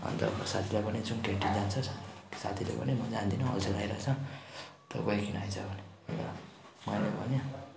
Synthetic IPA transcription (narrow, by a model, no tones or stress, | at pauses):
ʌ̰nt̪ʌ̰bʌsat̪ʰilajpʌnit͡suŋkeʈid͡zant͡sʰʌsasa̰t̪ʰilḛpʌ̰nimʌd͡zand̪inõʌ̰lsʰeɡajɾa̰t͡sʰʌ | t̪ʌ̰ɡʌjkinajt͡sʰʌbʱʌni | mʌnebʱʌnja